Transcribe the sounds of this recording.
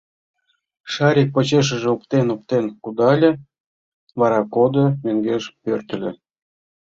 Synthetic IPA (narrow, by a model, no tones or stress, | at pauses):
ʃɑɾʲik̚pət͡ɕeʃ̬ə̆ʒĕup̚t̪enop̚t̪enkud̪ɑlʲĕ | βɑɾɑkod̪omøŋɡeʃpørt̪ə̆lʲḛ̆